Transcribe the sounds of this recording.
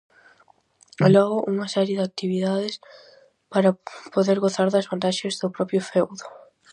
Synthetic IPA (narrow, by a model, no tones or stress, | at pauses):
lɔɣʊʔuŋɐsɛɾjeðak̚t̪iβiðaðɪs | paɾɐpoðeɾɣoθaɾðɐzβant̪aʃezðʊpɾɔpɾjʊfɛwðʊ